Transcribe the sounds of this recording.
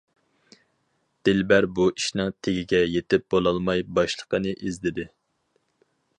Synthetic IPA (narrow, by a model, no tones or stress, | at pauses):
d̪̥ɪlbæɾbuʔiʃnɨŋt̪ʰeɡʲiɡʲɛjet̪ɪp̚bolˠɑlˠmɑjbɑʃlˠə̥qənɨʔizd̪ɪd̪ɪ